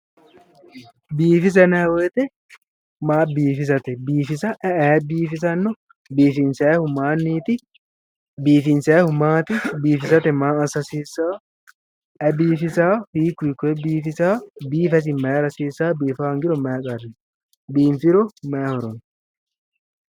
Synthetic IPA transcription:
biːfɪs̬ɐnɛwet̪ɛ | maːbiːfɪs̬ɐt̪ɛbiːfɪsɐʔɛɛːbiːfɪs̬ɐnːɔ | biːfɪnsɛːhʊmaːnːiːt̪ɪ | biːfɪnsɛːhʊmaːt̪ɪbiːfɪsɐt̪ɛmaːsɐsiːsaː | ɛbiːfɪsaːfiːkːikːɛbiːfɪsaːbiːfɛs̬ɪmɛːɾɐsiːsaːbiːfaŋɡɪɾɔmɛːkʼɐɾɪ | biːmfɪɾɔmɛːhɔɾɔn

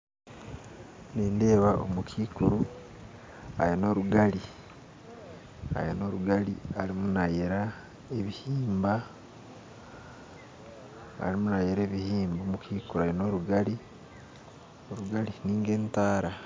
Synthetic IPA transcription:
neːndeːβaʔo̰mukʰiːkuɾu | a̰jeno̞ɾuɡali | a̰jeno̞ːɾuɡalḭalimunajeɾa | eβihiːmba | limunajeɾe̞ːβihiːmbomukiːkuɾuajenoːɾuɡali | oɾuɡaliniːŋɡe̞ːntaːɾa

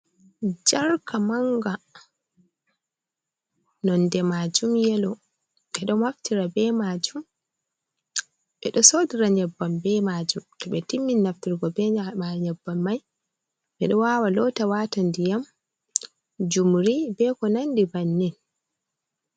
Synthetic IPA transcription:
d͡ʒaɾkʰamaŋɡa | nɔndɛmad͡ʒumjɛlɔ | ɓɛɗɔmaftiɾabɛmad͡ʒum | ɓɛɗɔsodiɾaɲɛbːambɛmad͡ʒumtɔɓɛtimːinːaftiɾɡɔbɛaɲɛbːamːaj | ɓɛɗɔwawalɔtawatandijam | d͡ʒumɾibɛkɔnandibanːin

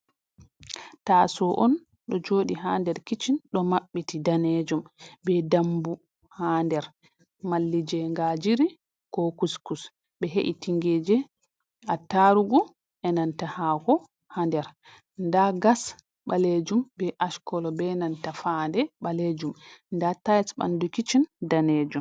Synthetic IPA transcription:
tasɔʔɔn | ɗɔd͡ʒoːɗiɦaːndɛɾkit͡ʃinɗɔmaɓːitidaned͡ʒumbɛdambu | handɛɾ | malːid͡ʒɛŋɡad͡ʒiɾi | kɔkuskus | bɛɦeʔitiŋɡed͡ʒɛ | ataɾuɡu | ʔɛnantahakɔ | handɛɾ | ndaɡas | ɓaled͡ʒumbɛʔaʃkɔlɔbɛnantafandɛɓaled͡ʒumndatajsɓa̰ndukit͡ʃindaned͡ʒum

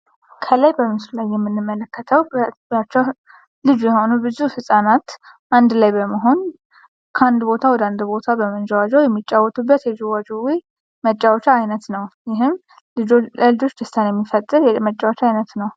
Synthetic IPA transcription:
kʰəlajbəmɨslulajːɛmːɨnːɨmːələkːət̪ʰəwbbat͡ʃːɛw | lɨd͡ʒujɛho̞nubɨzufɨsʼanat̪ | ʔand̪lajbəməɦo̞n | kʰəand̪bo̞t̪ʰawɔd̪and̪bo̞t̪ʰabəmənd͡ʒɛwad͡ʒəwjɛmːit͡ʃʼːawɔt̪ʼubːət̪jɛd͡ʒɛwad͡ʒuwij | mət͡ʃʼːawt͡ʃaːjnət̪nəwjɪɦɨm | ɨd͡ʒəlɨd͡ʒo̞t͡ʃːd̪əst̪ʰanjɛmːifət̪ʼːɨɾjɛmət͡ʃʼːawt͡ʃaajnət̪nəw

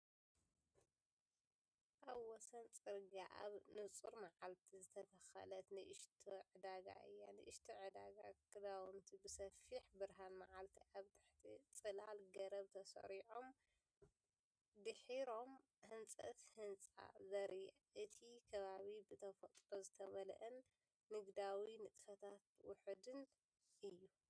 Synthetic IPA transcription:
ʔaβwɔsɐnt͡sʼɨɾɡaʔa̰βnɨt͡sʼuɾmaʕalt̪ʰizɨt̪ʰɐt̪ʰɐxɐ̰lɐt̪nɨʔɨʃt̪ʰiʕɨd̪aɡa̰ʔɨ̰jːanɨʔɨʃt̪ʰiʕɨd̪aɡakʰʼɨd̪awmt̪ʰibɨsɐfiħbɨɾɦanmaʕalt̪ʰiʔaβt̪ʰɨħt̪ʰit͡sʼɨlalɡɐɾɐβt̪ʰɐsɐ̰ɾiʕom | d̪ɨħiɾo̞m | hɨnt͡sʼɐ̰t̪hɨnt͡sʼa̰zɐɾij | ʔɨt̪ʰikʰɐβaβibɨt̪ʰɐfɐt̪ʼɾozɨt̪ʰɐβɐl̰ʔɨnː | ɨɡd̪awinɨt̪ʼɨfɐt̪ʰat̪̚wʊħd̪ɨn | ʔɨjːu

